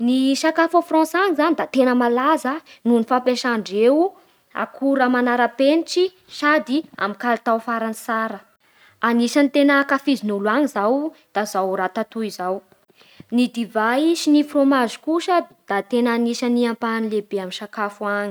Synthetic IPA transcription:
niʃakafafrɔ̃saɲizanid̪at̪enəmalazənunifapeʃaɳɖ͡ʐew | a̰kʰuɾəmanaɾapeniʈ͡ʂi | sad̪ia̰mikalt̪awfaɾanisaɾə | aniʃanit̪enəkafizinuluaŋizawd̪̥azawɾat̪at̪uizaw | nid̪ivajsinifromazi̥kusəd̪̥at̪enaːniʃəniampanilebeaminʃakafuaŋi̥

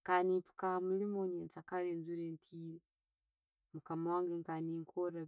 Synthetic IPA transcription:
kaniːmpu̥kamulimoɲeːnt͡sakaleːnzuɾeːntʰiːɾe | mukamawaːŋɡeŋkaniːŋkʰoɾa

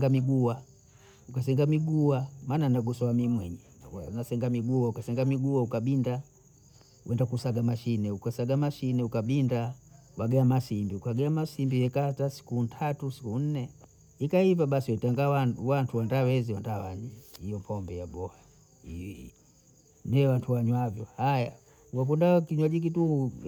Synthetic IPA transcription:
ɡamiɡuwa | ukasɛŋɡamiɡuwamaːnanaɡusɔwamimwɛɲɛ | anasɛŋɡamiɡuwaukasɛŋɡamiɡuwaukabinda | wɛndakusaɡamaʃinɛukasaɡamaʃinɛukaɓinda | waɡɛamasimbiukaɡɛamasimbijɛkatasi̥kuntʰatusi̥kun̩nɛ | ikaivaɓasiwɛtaŋɡawawantʰuwandawɛziwandawaɲihijɔmpʰɔmbɛjabɔha | iḭ | nɛɛwantʰuwaɲwavjɔhaja | ukak̬undakiɲwaʄik̬ituu

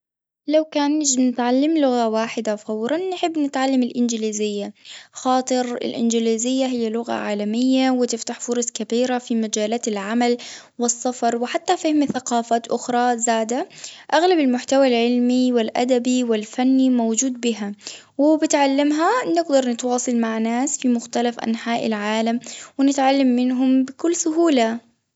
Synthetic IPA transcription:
lawkaːnːɪd͡ʒnɪt̪ʕalːamlʊɣawaːħɪd̪afawɾˤɑnːħɪbːnɪt̪ʕalːamɪlʔɪnd͡ʒɪliːzɪjːaxɑːt̪ˤɨɾɪ̰lʔɪ̰nd͡ʒɪliːzɪjːaɦɪjːalʊɣa̰ʕaːlamɪjːawɪt̪ɪft̪aħfʊɾˤɑsˤkabiːɾafimad͡ʒaːlaːlʕamal | wɪsˤːɑfɑɾˤwɪħat̪ːafɪhɪmθaqɑːfaːt̪ʔʊxɾˤɑzaːd̪aʔaɣlabɪlmʊħt̪awalʕɪlmiwɪlʔa̰d̪abiwɪlfanːimowd͡ʒuːd̪̚bɪɦa | wɪbɪt̪ʕalːamɦanɪɡd̪ɑɾˤnɪt̪wɑːsˤɑlmaʕnaːsfimʊxt̪alafʔa̰nħaːʔɪ̰lʕaːlamwɪnɪt̪ʕalːamːɪnɦʊmbɪkʊlːsʊɦuːla

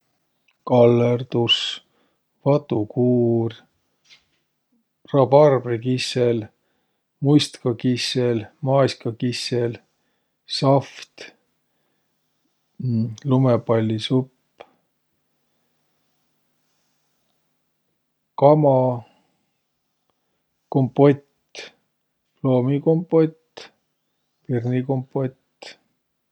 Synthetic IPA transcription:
kɑlːerd̪us | vɑt̪ːukuːr | rɑbɑrbrikisel | mujst̪kɑkiselmɑjskɑkisel | sɑft̪ | lumepɑlʲːisupː | kɑmɑ | kompːo̞t̪ | plo̞ːmiko̞mpːot̪ː | pirnikompːot̪ː

